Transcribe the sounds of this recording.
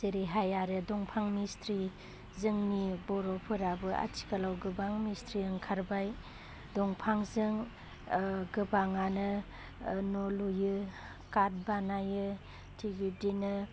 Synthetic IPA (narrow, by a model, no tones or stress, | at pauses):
zeɾiɦajaɾɯdɔŋpʰaŋmistʰɾi | zɯŋmibɔɾɔpʰɯɾabɯʔa̰tʰi̥kalawɡɯbaŋmistʰɾiɯŋkʰaɾbaj | dɔŋpʰaŋzɯŋ | ɡɯbaŋanɯ | nɔlujɯ | kat̚banajɯ | tʰiɡidinɯ